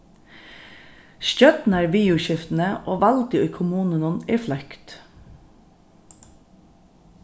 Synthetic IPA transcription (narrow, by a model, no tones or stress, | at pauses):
ʃœt̪n̩æːɹʋiːʊʃɪft̪n̩əʔoːʋɑlt̪ɪkʰʊmuːnənʊniːflœkt̪